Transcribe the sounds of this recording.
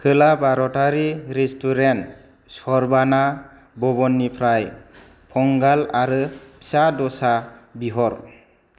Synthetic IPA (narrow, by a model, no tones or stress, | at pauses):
kʰɯlabaɾɔtaɾiɾestuɾent | sɔɾbana | bɔbɔnːipʰɾaj | pʰɔŋɡalaɾɯpʰsadɔsabiɦɔɾ